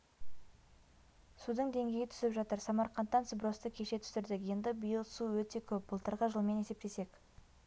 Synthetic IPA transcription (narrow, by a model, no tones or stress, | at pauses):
sud̪əɴd̪e̞ŋɡʲe̞jɪt̪ʰʏ̥sɪpʒɑt̪əɾsɑmɑɾqɑnt̪ːɑnsəbɾo̞st̪əkʲʰe̞ʃe̞t̪ʰʏ̥sɪɾd̪ɪkje̞nd̪ɪbijəlˠsuwɵt̪e̞kʲʰɵp̚bəlˠt̪əɾʁəʒəlˠme̞ne̞se̞p̚t̪e̞se̞k